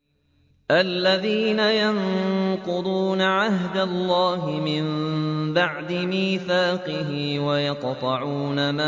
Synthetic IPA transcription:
ʔalːaðiːnajanqʊd̪ˤuːnaʕahd̪alːɑːɦɪmɪmbaʕd̪ɪmiːθaːqɪɦɪwajɑqt̪ˤɑʕuːnamaː

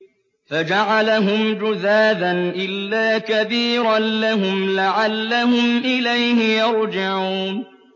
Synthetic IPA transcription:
fad͡ʒaʕalaɦʊmd͡ʒʊðaːd̪anʔɪlːaːkabiːɾanlaɦʊmlaʕalːaɦʊmʔɪlajhɪjɑɾˤd͡ʒɪʕuːn

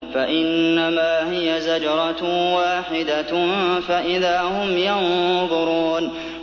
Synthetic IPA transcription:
faʔɪnːamaːɦɪjazad͡ʒɑɾˤɑwaːħɪd̪afaʔɪðaːhʊmjanðˤʊɾuːn

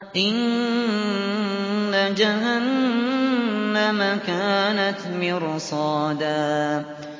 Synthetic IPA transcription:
ʔɪn | ad͡ʒaɦan | amakaːnat̪mɪɾsˤɑːd̪aː

